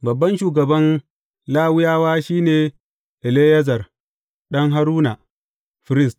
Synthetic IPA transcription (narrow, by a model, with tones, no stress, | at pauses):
bɐ˨bːɐ˦nʃuː˨ɡɐ˨bɐ˦n | laː˦wʊ˦jaː˦waː˦ʃiː˦neː˨ | ʔɪ˨leː˦jɐ˦zɐ˨r | ɗɐ˦ŋɦa˦ɾuː˦na˨ | ɸɪ˨ɾɪ˦st